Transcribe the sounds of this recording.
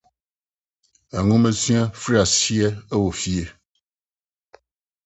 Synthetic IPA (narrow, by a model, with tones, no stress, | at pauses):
ɛ˨ŋũ˦mẽ˦sĩ˦a˦fɾi˦a˨si˦e˦e˦wo˨fi˦e˦